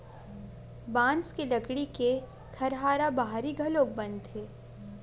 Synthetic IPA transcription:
bãːnskelɐkɽike | kʰɐɾɦaːɾabaɦaɾiɡʱɐloːɡ̚bɐ̃nd̪ɦeː

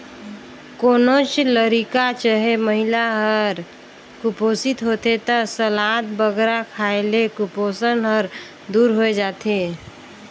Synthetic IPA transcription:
konot͡ʃləɾikat͡ʃəɦeməɦilaɦəɾ | kuposit̪ɦot̪et̪ɔsəlat̪bəɡɾakʰaelekuposənɦəɾ | d̪uɾɦoed͡ʒat̪e

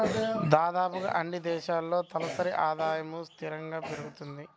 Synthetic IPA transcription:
d̪aːd̪aːpuɡɐ̰ʔɐɳːid̪ɛːʃaːlːo̞ːt̪ɐlɐsɐɾiʔaːd̪aːjɐmust̪ʰiɾɐŋɡaːpeɾuɡut̪und̪i

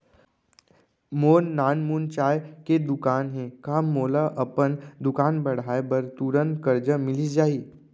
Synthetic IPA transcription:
moːnːaːnmuːnt͡ʃaːjked̪ʊkaːnɦɛ̃kaːmoːlaʔɐpənd̪ʊkaːnbɐɽ̤aːebəɾt̪uːɾənkəɾd͡ʒəmɪlid͡ʒaːiː

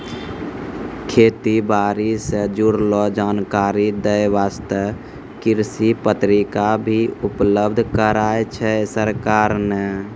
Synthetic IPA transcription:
kʰet̪ibaɾisə̃d͡ʒuɾlɔd͡ʒankaɾid̪əjʋast̪ə | kiɾsipət̪ɾikabʱiupləbd̪ʱkəɾaet͡ʃʰɛsəɾkaɾnɛ

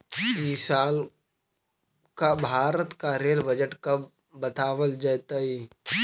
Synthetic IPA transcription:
isaːl | kabʱaːɾət̪kaɾeːlbəd͡ʒəʈkɐb | bət̪aːʋəld͡ʒat̪ai

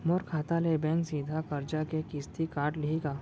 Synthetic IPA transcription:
moɾkʰaːt̪alebɛ̃ːŋksiːd̪ʱakɐɾd͡ʒakekist̪ikaːʈlɪeɡaː

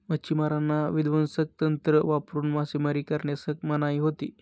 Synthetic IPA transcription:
mət͡ɕimaɾanːaʋid̪ʋənsək̚t̪ənt̪ɾəʋapɾuːnmasiməɾiːkəɾɳjasək̚mənaiɦot̪ḭː

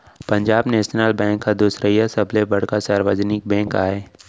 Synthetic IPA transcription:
pɐ̃ɲd͡ʒaːbneɪstnaːlbɛ̃ːŋkːad̪uːsɾəijasɐblebɐɽ̤kasaːɾʋəd͡ʒnɪk̚bɛ̃ːŋkaːeː

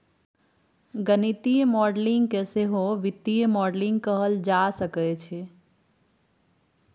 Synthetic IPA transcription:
ɡənit̪ijmɔɖlĩŋɡkeseɦoʋit̪ːijmɔɖlĩŋɡ̚kəɦəld͡ʒasəkɛt͡ʃʰɛ

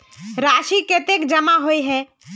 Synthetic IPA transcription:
ɾaʃiket̪ekd͡ʒəmaɦojɦɛ

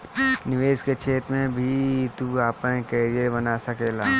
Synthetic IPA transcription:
nɪʋeːsket͡ʃʰeːt̪mẽbʱit̪uaːpẽkeːɾijebɐnasɐkeːlaː

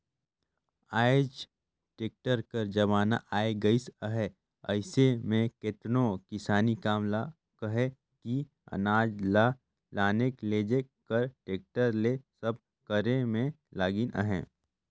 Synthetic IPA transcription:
aːɪd͡ʒ | ʈeːk̚ʈəɾkəɾd͡ʒɐʋaːna̰ʔaːeɡɐisəɦɛ | ɐɪsemẽket̪nõkɪsaːnikaːmla | kɐɦe | ki | ɐ̰naːd͡ʒla | laːnekleːd͡ʒekəɾʈeːk̚ʈəɾlesəb̚ | kəɾemẽ | laːɡinʔə̰ɦɛ̃ː

